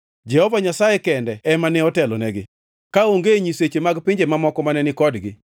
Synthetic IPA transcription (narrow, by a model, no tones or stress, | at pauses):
d͡ʒɛhɔvaɲasajekɛndɛɛmanɛɔtɛlɔnɛɡɪ | kaoŋɡeɲiset͡ʃemaɡpɪɲd͡ʒemamɔkɔmanɛnɪkɔdɡɪ̰